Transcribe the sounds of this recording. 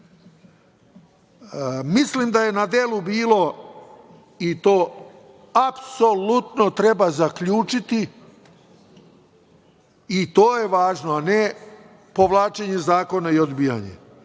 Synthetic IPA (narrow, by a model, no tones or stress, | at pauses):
mislimd̪aje̞nad̪e̞lubiːlo̞ | it̪o̞ː | apso̞lut̪no̞t̪ɾe̞bazakʎuːt͡ʃit̪i | t̪o̞ːje̞ʋaːʒnoane | po̞ʋlˠaːt͡ʃeɲe̞zaːko̞naiod̪biːja̰ɲḛ